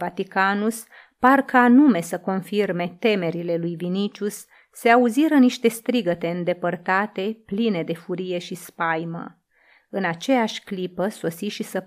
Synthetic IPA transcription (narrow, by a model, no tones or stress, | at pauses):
vat̪ikanus | parkəanume̞səko̞nfirme̞t̪e̞me̞ɾile̞lujvinit͡ʃusː | e̞auziɾəniʃt̪e̞st̪ɾiɡət̪e̞ɨnd̪e̞pərt̪at̪e̞pline̞d̪e̞fuɾije̞ʃispajmə̰ | ɨnat͡ʃe̞jaʃʲklipəso̞siʃisə